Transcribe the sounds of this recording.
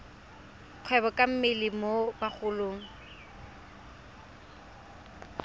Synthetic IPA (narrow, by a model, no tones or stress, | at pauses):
q͡χʰwɛbɔkʼam̩mɪlɪmobak͡xʰʊloːŋ̩